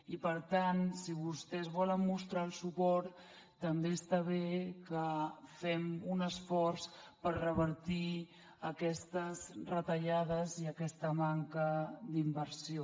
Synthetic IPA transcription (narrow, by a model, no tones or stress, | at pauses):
ipəɾt̪ansiβust̪ɛzβɔləmːust̪ɾaəlˠsupɔɾt̪ː | əmbeəst̪aβekəfɛmunəsfɔɾspəɾrəβəɾt̪i | əkɛst̪əzrət̪əʎaðəziəkɛst̪əmaŋkəd̪imbəɾsio